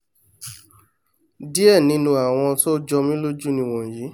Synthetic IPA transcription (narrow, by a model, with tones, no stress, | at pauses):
di˦ɛ˦˨nĩ˨˦nũ˧a˨w̃ɔ̃˧to˦d͡ʒɔ˧mĩ˦lo˦d͡ʒu˦nĩ˧w̃ɔ̃˨ji˨˦